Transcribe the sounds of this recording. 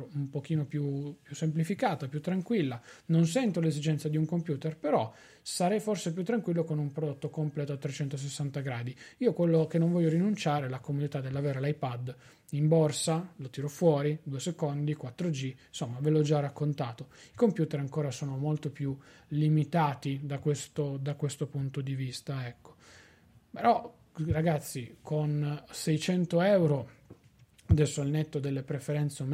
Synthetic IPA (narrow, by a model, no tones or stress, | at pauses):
umpok̟iːnopjupjusːemplifikaːt̪apjut̪ːɾaŋkwilːanons̬ɛnt̪olezid͡ʒɛnt̪sad̪iuŋkompjuːt̪erpeɾɔ | saɾɛjforsep̬jut̪ːɾaŋkwilːokonumpɾod̪ot̪ːokomplɛːt̪oat̪ːɾet͡ʃɛnt̪os̬esːant̪aɡɾaːd̪iiːokwelːokenoɱvɔʎːoɾinunt͡ʃaːɾelakomud̪it̪ad̪ːelːaveːɾalajpad̪ | imborsalot̪iɾɔfwɔːɾid̪uesekond̪ikwat̪ːɾod͡ʒisomːavelɔd͡ʒarːakːont̪aːt̪oikompjuːt̪eɾaŋkoːɾasoːnomolt̪opju | limit̪aːt̪id̪akwest̪od̪akwest̪opunt̪od̪ivist̪aɛkːo̥ | peɾɔ | raɡat̪sːikʰonsɛjt͡ʃɛnt̪oɛwɾo | ad̪ɛlsːoalnet̪ːod̪elːepɾefeɾɛnt̪sm